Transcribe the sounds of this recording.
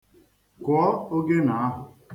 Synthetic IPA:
kʊ˨˦ɔ˦o˦ɡe˦na˨a˦ɦʊ˨

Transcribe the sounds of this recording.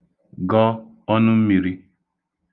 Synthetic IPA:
ɡɔ˦ | ɔ˦nʊ˦m̩˦mi˨ɾi˦

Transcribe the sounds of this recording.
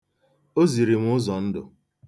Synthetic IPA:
o˦zi˨ɾi˨ŋʷ˦ʊ˦zɔ˨n̩˦dʊ̰˨

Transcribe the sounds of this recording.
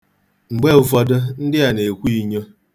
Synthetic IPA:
ŋ͡m̩˨ɡ͡be˦ʊ˨fɔ˦dʊ˦n̩˦dɪ˦ja˨ne˨kʷi˦˨ɲe˦

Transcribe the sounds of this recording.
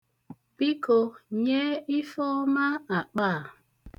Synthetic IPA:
bi˦ko˨ɲe˦i˦fo˦ma˦a˨k͡pa˦˨

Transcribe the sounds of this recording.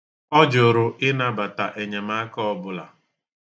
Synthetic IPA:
ɔ˦d͡ʒo˨ɾʊ˨ʔɪ˦na˨ba˨ta˨ʔe˨ɲe˨ma˦kɔ˦bʊ˦la̰˨

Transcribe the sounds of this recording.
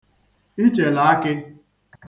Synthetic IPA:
i˦t͡ʃe˨la˨˦kɪ˦

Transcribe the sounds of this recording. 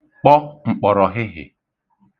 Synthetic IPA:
k͡pɔ˦ŋ͡m̩˨k͡pɔ˨ɾɔ˨ɦɪ˦ɦɪ̰˨

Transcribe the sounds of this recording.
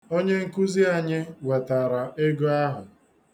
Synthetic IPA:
o˦ɲe˦ŋ̩˦ku˦zi˦a˨ɲɪ˦we˨ta˨ɾa˨ʔe˦ɡo˦a˦ɦʊ˨

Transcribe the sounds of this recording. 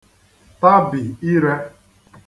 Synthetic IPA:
ta˦bɪ˨i˦ɾe˦

